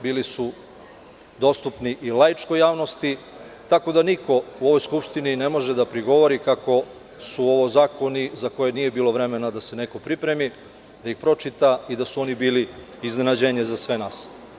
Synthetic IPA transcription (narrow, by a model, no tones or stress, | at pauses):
biːlisu | d̪o̞st̪upniʔilajt͡ʃko̞jaːʋno̞st̪i | t̪ako̞d̪aniko̞uo̞ʋo̞jskupʃt̪inine̞mo̞ʒe̞d̪apɾiɡo̞ʋo̞ɾikako̞ | suo̞ʋozaːko̞nizako̞jenije̞biːlo̞ʋɾe̞me̞nad̪ase̞ne̞ko̞pɾipɾe̞mi | d̪aixpɾo̞t͡ʃit̪aid̪asuo̞nibiːli | izne̞nad͡ʑe̞ɲe̞zasʋe̞naːs